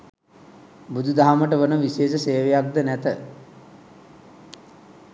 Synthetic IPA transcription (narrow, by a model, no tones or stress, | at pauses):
bud̪ud̪aɦaməʈəʋənəʋiseːsəseːʋejak̚d̪ənæt̪ə